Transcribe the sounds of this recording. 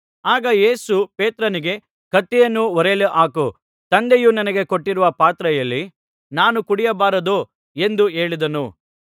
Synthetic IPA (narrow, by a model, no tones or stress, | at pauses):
aːɡɐje̞ːsupe̞ːt̪ɾɐniɡe̞ | kɐt̪ːɛjɐnːuʋɔɾeluʔaːku | t̪ɐnd̪ejunɐnɐɡe̞koʈːiɾuʋɐpaːt̪ɾɐjɐlːi | naːnukuɽijɐbaːɾɐd̪u | e̞nd̪ue̞ːɭid̪ɐnu